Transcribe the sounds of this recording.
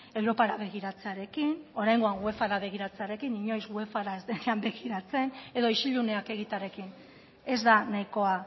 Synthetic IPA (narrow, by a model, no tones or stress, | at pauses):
e̞wɾo̞paɾaβe̞ɣ̞iɾat͡se̞aɾe̞kino̞ɾajŋɡo̞aŋɡwe̞faɾaβe̞ɣ̞iɾat͡se̞aɾe̞kiniɲo̞jzɣwe̞faɾaezd̪eneambe̞ɣiɾat͡se̞ne̞ðo̞iʃiʎune̞ake̞ɣ̞it̪aɾe̞kin | e̞zd̪anajko̞a